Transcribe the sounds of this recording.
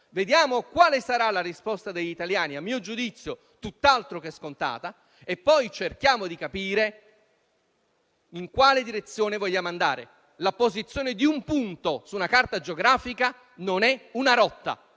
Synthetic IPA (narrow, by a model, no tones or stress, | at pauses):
ved̪jaːmokwaːlesaɾalarispɔst̪ad̪eʎːit̪aljaːniamːiːod͡ʒud̪it̪sːjo | t̪ut̪ːalt̪ɾokɛskont̪a̰ːt̪a | epːɔjt͡ʃerk̟jaːmod̪ikapiːɾe | iŋkwaːled̪iɾet̪sːjoːnevoʎːaːmand̪a̰ːɾḛ | lapozit̪sːjoːned̪iumpunt̪osuːnakart̪ad͡ʒeoɡɾaːfika | nonɛunaɾɔt̪ːa̰